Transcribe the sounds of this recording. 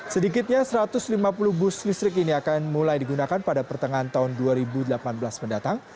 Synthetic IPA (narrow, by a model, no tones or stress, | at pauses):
sədikɪt̪̚ɲasəɾat̪ʊslimapulʊhbʊslist̪ɾɪk̬iniakanmulajdiɡunakanpadapərt̪əŋant̪aɦʊnduaɾibudəlapanbəlasməndat̪aŋ